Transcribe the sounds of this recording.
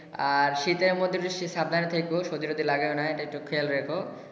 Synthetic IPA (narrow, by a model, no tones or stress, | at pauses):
aɾʃit̪eɾmod̪ʱːiɾiʃiʃab̚d̪ʱanet̪ʰejkoʃod̪iɾod̪ilaɡeonaeʈaek̚ʈukʰelɾekʰo